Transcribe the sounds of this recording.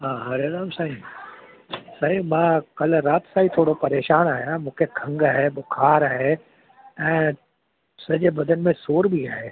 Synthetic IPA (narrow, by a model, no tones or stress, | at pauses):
ɦãːɦɐɾeɾaːbsaːɦi | saɦĩmãkɐlɾaːt̪saːɦit̪ʰoːɽopɐɾeːʃaːnaːjamũːkʰekʰɐ̃ŋɡaɦɛbokʰaːɾaːɦe | ɛ̃ː | sɐd͡ʒebɐd̪ənmẽsoːɾbʱiaːeː